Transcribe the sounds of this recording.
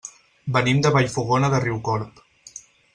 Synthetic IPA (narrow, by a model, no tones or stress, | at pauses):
bənimd̪əβaʎfuɣonəðəriwkɔɾp